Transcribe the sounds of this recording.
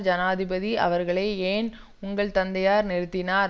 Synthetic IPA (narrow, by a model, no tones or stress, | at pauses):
d͡ʒɐnaːðɪbɐðiʔɐ̰ʋɐɾɣɐɭɐːeːn | ʊŋɡɐɭt̪ɐnd̪ɐjaːɾnɛɾɯt̪ːɪnaːɾ